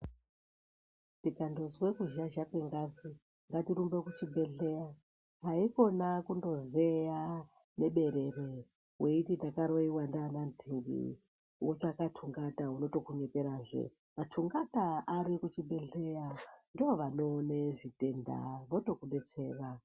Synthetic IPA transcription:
tikando̞zwe̞kuʒaʒakweŋɡasi | ŋɡatiɾumbekut͡ʃibe̞ɮe̞ja | ɦaiko̞nakundo̞zeja | ne̞ɓe̞ɾe̞re | weitindakaɾoiwandanantʰiŋɡḭ | wot͡ʃakatʰuŋɡataɦuno̞to̞kuɲepeɾaːʐḛ | matʰuŋɡataaɾikut͡ʃibʱe̞ɮe̞jandooʋanoːneʐite̞nda̰ʋoto̞kuɗe̞t͡se̞ːra

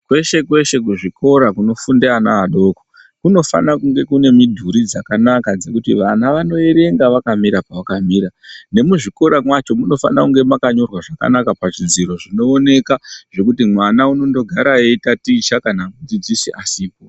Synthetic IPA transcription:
kwe̞ʃe̞kwe̞ʃe̞k̬uʐikʰo̞ɾakuno̞fundeanaːɗo̞ko̥ | kuno̞fa̰nakuŋɡe̞kune̞midʱuɾid͡zakanakad͡ze̞kutiʋanaʋano̞eɾe̞ŋɡaʋakamiɾapawakamiːɾane̞muʐiko̞ɾamwat͡ʃo̞muno̞fa̰nakuŋɡe̞makaɲo̞rwaʐaka̰nakapaʐid͡ziɾo̞ʐino̞ːne̞kaʐ̥e̞kutimwanauno̞ndo̞ɡʱaɾaeitatiːt͡ʃakanamud͡zid͡zisiʔasiːpo

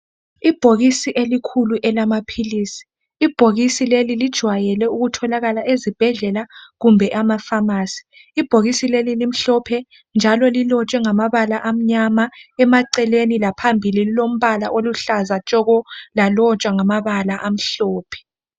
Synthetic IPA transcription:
ib̥ʱoɣisiʔelikʰuluʔɛlamapʰiliːsi̥ː | b̥ʱoɣisilelilid̥ʒ̥ʱwajɛlɛuɣutʰɔlaɣalaʔezib̥ʱɛɮɛlaɣumbʱɛʔamafamaːsi̥ː | b̥ʱoɣisilelilim̩ɬɔpʰɛ | nd͡ʒʱalɔlilɔt͡ʃʼwɛŋamaβalaʔam̩ɲamaɛmaǀɛlenilapʰambʱiliilom̩βala̰ʔoluɬazat͡ʃʼɔɣɔlalɔt͡ʃʼwaŋamaβalaʔam̩ɬɔːpʰɛ̥

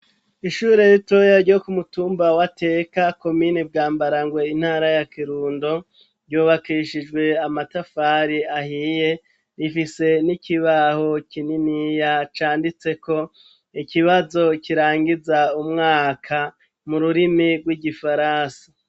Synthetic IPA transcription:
iʃuːɾe̞ɾito̞jaɾɟo̞kumutuːmbawate̞kako̞minib̚ɡaːmbaɾaŋɡwe̞in̥haːɾajakiɾuːndo̞ | ɾɟuːβakiʃid͡ʒɡwe̞amatafaːɾiahije̞ | ɾifise̞nikiβaho̞kininijat͡ʃaːndit͡se̞ko̞ | ikiβazo̞kiɾaːŋɡizaumŋaːkʰa | muɾuɾimiɡwiɡifaɾaːnsḁ

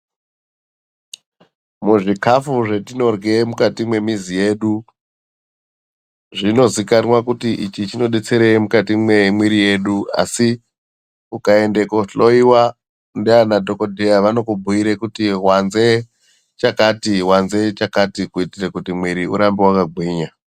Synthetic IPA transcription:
muʐikafuʐe̞tino̞rɡe̞mukatimwe̞mizije̞ːɗu | ʐino̞zikanwakutiʔit͡ʃit͡ʃino̞ɗet͡se̞ɾeimukatimwemwiɾije̞ɗua̰si | ukae̞nde̞koɬo̞iwa | ndeanadʱo̞ko̞dʱejaʋano̞kubʱuiɾekutiɦwanze | t͡ʃakatiwanze̞t͡ʃakatikuitirekutimwiɾiṵɾambiwakaɡʱwiːɲa

